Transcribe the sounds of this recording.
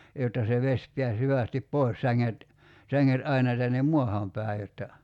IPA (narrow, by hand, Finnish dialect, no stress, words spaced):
jotːɑ se ʋesʲ piæs hyʋæˑstip poi̞s sæŋːet sæŋːet ɑinɑ tænːem muɑhɑˑm pæˑi̞ jotːɑ